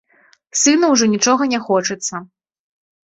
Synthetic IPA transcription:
sɨnɐwʐɔnʲit͡ʂɔɣɐnʲɛxɔt͡ʂɨt̪sːɐ

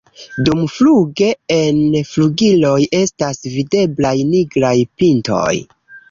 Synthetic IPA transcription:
dumfluɡe̞enfluɡilo̞je̞stasvide̞blajniɡɾajpinto̞̰j

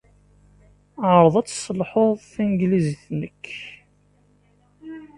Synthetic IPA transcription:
ʕɾˤðˤɑt͡sːsəlħoðˤθænɡlizθnəkː

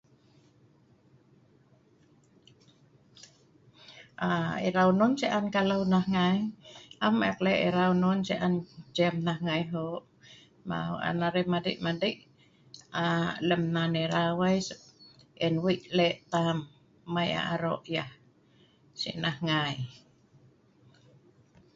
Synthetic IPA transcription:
ʔaiɾaununsiʔankalawnahŋajama̰kleʔiɾaununsiʔand͡ʒɛmnahŋajɦoʔ | ma̰ṵʔa̰naɾemadḭʔmadiʔ | aləmnaniɾawajsəɛnwiʔlɛʔt̪amː | aja̰aɾo̰ʔjah | sḭʔnahŋai

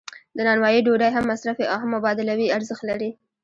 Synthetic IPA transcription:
d̪ənɑnwɑjiɖoɖajɦamːasɾafeʔaɦamːabɑd̪ɪlawiaɾzəxt̪laɾi

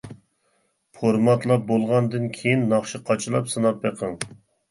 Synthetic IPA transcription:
pʰoɾmɑt̪lˠɑp̚bolˠʁɑnd̪ɨnkʲʰejinːɑχʃiqʰɑt͡ʃʰɨlˠɑpsɨnɑp̚beqʰəŋ

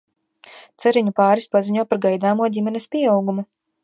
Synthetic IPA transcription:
t̪sɛɾiɲupaːɾispaziɲuɔpaɾɡajd̪aːmuɔɟʲimɛnɛspʲiɛawɡumu

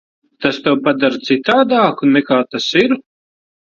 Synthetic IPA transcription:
t̪ast̪ɛwpad̪aɾt̪sit̪aːd̪aːkunnːɛkaːt̪asiɾ

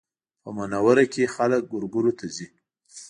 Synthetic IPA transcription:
pəmanawaɾakexalək̚ɡʊɾɡuɾot̪ʰazi

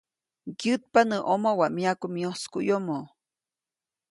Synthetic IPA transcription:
kjɨt̪̚panəʔomowaʔmiakumioskujomo

